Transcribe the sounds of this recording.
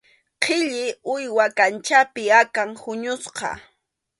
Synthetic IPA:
qʰɪʎɪʊjwakant͡ʃapɪakaŋhʊɲʊsqɑ̰

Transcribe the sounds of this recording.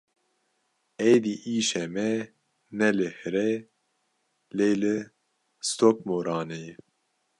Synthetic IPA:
ɛjd̪iːʔiːʃɛmɛ | nɛlɨhɨɾɛ | leːlɨ | st̪ok̚moːɾɑːne

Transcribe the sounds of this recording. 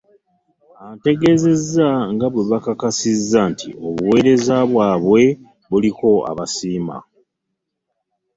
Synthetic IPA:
ante̞ɡe̞ze̞zːaŋɡaβweβakakasizːantʰḭo̞βuwe̞ɾe̞zaβwaːβwe̞ | βuliko̞a̰βasiːma̰

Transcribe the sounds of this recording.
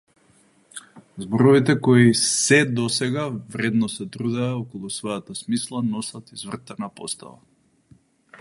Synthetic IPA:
zbɔɾɔvit̪ɛkɔisɛd̪ɔsɛɡavɾɛd̪nɔsɛt̪ɾud̪ɛaɔkɔlˠusvɔjat̪asmislˠanɔsat̪izvr̩t̪anapɔ̰st̪a̰va̰

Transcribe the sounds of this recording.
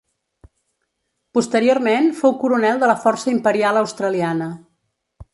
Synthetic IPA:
pust̪əɾiormenfowkuɾunɛlˠd̪ələfɔrsəimpəɾialˠəwst̪ɾəlianə

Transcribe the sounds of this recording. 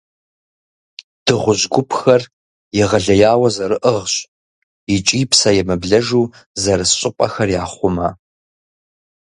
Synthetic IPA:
d̥ɨʁʷʊʑɡʷʊpʰxɐr | jɛʁɐɮɐjaːwɐzɐɾɨʔəʁɕ | ɪt͡ʃʼiːpsɐjɛmɨbɮɐʒuː | zɐɾɨsɕʼɪpʼɐxɐrjaːχʷʊmɐ

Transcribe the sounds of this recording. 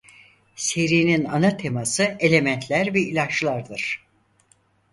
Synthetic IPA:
se̞ɾiːninanat̪ʰe̞masɯe̞lʲe̞mænt̪ʰlʲæɾvɛilʲat͡ʃlˠaɾd̪ɯɾ̥

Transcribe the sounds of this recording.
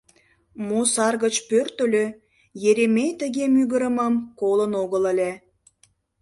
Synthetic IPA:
mosɑrɣət͡ɕpørt̪ə̆lø | jeɾemejt̪əɣemyɣəɾəməmkolənoɣələlʲe

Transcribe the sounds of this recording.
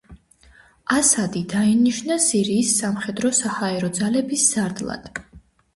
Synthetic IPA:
asad̪id̪ainiʃnasiɾiːsːamχɛd̪ɾɔsahaɛɾɔd̪zalɛbisz̥aɾd̪lˠa̰d̪̥

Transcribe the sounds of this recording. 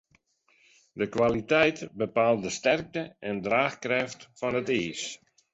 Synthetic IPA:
dəkʋalitɛjtbəpaːl̚ˠdəstɛrk̚təɛndraːxkrɛftfɔnətiːs

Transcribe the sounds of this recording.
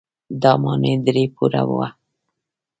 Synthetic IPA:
d̪ɑmɑned̪ɾepuɾa̰wʊ̰wa

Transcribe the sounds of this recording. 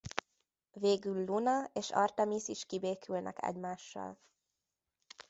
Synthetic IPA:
veːɡylːunɒeːʃɒrt̪ɛmisiʃkibeːkʰylnʔɛkɛ̰ɟmaːʃːɒ̰l

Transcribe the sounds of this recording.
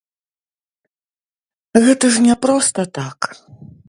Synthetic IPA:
ɣɛt̪ɐʐnʲɛpɾɔst̪ɐt̪ak

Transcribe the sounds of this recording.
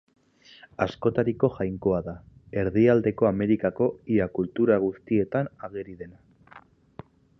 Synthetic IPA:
asko̞t̪aɾiko̞ʝajŋko̞aðae̞ɾðiald̪e̞ko̞ame̞ɾikako̞iakult̪uɾaɣ̞ust̪ie̞t̪anaɣ̞eɾiðe̞na

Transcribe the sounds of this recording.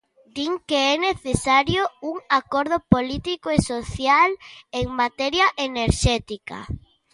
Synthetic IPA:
d̪iŋkeɛneθesaɾjouŋakoɾð̞opolit̪ikoesoθjaleŋmat̪ɛɾjaʔeneɾʃɛt̪ika̰

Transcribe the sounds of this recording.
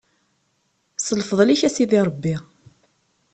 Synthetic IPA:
səlfðˤliçæsiðiɾˤəbːi

